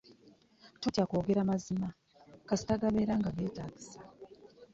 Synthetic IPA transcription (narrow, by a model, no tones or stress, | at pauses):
totjakoːɡe̞ɾamazima | kasi̥taɡaβe̞ːɾaŋɡaɡe̞ːtaːɡisḁ